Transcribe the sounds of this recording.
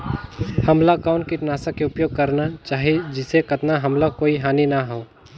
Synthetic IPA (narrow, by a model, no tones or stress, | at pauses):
hɐmlakɔːnkiʈ̪naːsakeʊpjoːɡ̚kɐɾnat͡ʃaːɦied͡ʒɪsekɐt̪naɦɐmlakoːiɦaːninaɦoː